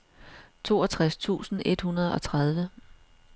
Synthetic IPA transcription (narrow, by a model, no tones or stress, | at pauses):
t͡sʰo̝̰ːɒt͡sʰʁast͡sʰṵːsn̩ʔe̝d̥hunɐð̞ˠɒ̽t͡sʰʁað̞ˠʋə